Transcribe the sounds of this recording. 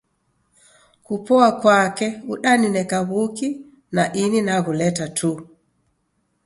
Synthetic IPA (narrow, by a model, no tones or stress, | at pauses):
kupɔakwakɛuɗaninɛkaβuki | naʔininaɣulɛtatʰu